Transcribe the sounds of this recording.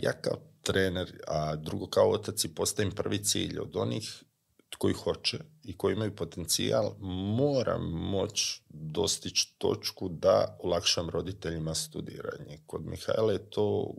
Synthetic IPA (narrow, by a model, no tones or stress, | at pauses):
ja̰ːkaot̪ɾeːneɾad̪ɾuɡo̞kaoot̪at̪sipo̞st̪aimpr̩ʋit̪sḭːʎo̞̰d̪o̞niːx | ko̞jixo̞t͡ʃeikojiimajupo̞t̪e̞nt̪sia̰lmoːɾa̰mːo̞t͡ɕd̪o̞st̪it͡ʃt̪o̞̰t͡ʃkud̪a̰olˠakʃamɾo̞d̪it̪e̞ʎimast̪ud̪ḭːɾa̰ɲeko̞d̪mʔḭxa̰ilajet̪ʰoː